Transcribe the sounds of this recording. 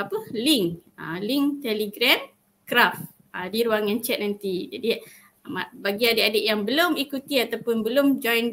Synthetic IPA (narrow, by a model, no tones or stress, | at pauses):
apəliŋa̰liŋt̪ɛliɡɾɛm | kɾaf | adiɾuaŋãnt͡ʃɛt̪̚nant̪id͡ʒadi | mabaɡiadəʔadəʔjaŋbəlomikut̪iat̪awpʊnbəlomd͡ʒɔjn